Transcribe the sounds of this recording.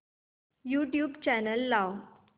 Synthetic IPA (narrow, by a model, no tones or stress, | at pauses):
juʈjuːbt͡ɕænəlːaw